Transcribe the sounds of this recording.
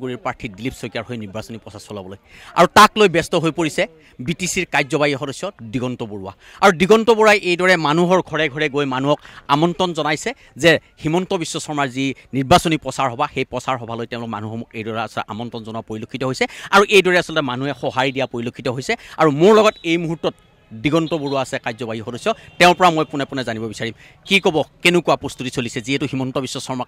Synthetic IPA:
ɡuɹiɹpɹaɹtʰidilipsɔjkaɹɦojniɹbasonipɹɔsasɔlabɔloj | a̰ɹutaklojbɛstɔɦojpoɹisɛ | bitisiɹkajzɔbajixɔdɔsɔdiɡɔntɔboɹuwa̰ | aɹudiɡɔntɔbuɹajʔejdɔɹɛmanuɦɔɹɡʱɔɹɛɡʱɔɹɛɡojmanuɦɔkamɔntɔnzɔnajsɛ | zɛhimɔntɔbisːɔsɔɹmaɹziniɹbasonipɹɔsaɹɦɔbʱaxejpɹɔsaɹɦɔbʱalojtɛ̃ʊ̃lʊkma̰nuhɔmukejdɔɹɛasɔɛʔa̰mɔntɔnzɔnuwapoɹilokʰːitɔɦojsɛaɹuʔejdɔɹɛasɔlɔtɛmanuɛxɔɦaɹidijapoɹilokʰːitɔɦojsɛaɹumoɹlɔɡɔtejmuɦutːɔt̚ | diɡɔntɔbuɹuaːsɛkazɔbaɦixɔdɔsɔtɛʊ̃ɹpɔɹamojpʊnɛpʊnɛzanibɔbisaɹim | kikɔbɔkenʊkuwapɹɔst̪utisolisɛziɛtʊximɔntɔbisːɔsɔɹma

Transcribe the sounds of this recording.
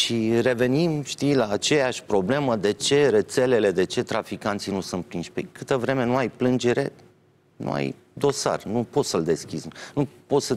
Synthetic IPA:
ʃire̞ve̞nimʃt̪ijlaːt͡ʃe̞jaʃʲpɾo̞ble̞məd̪e̞t͡ʃe̞ɾe̞t̪se̞le̞le̞d̪e̞t͡ʃe̞t̪ɾafikant̪sinusɨnt̪̚pɾinʃʲpekɨt̪əvɾe̞me̞nuajplɨnd͡ʒe̞ɾe̞̰ | nʔṵa̰j | d̪o̞sa̰rnupo̞t̪səld̪e̞skʲiznupo̞t̪sə

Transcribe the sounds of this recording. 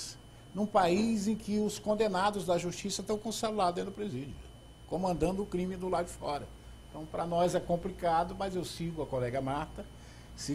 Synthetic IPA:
s | nũpaizẽj̃kɪʊskõnd̪enad̪ʊzd̪ɐʒust͡ʃisɐt̪ɐ̃w̃kõsalulad̪ʊd̪ẽd̪ʊpɾezid͡ʒʊ̰ | kõmɐ̃nd̪ɐ̃nd̪ʊʊkɾĩmɪd̪ʊlad͡ʒɪfɔɾɐ | ẽt̪ɐ̃w̃pɾɐnɔzɛkõmplikad̪ʊmɐzewsiɡʊɐkolɛɡɐmaɾt̪ɐ | si

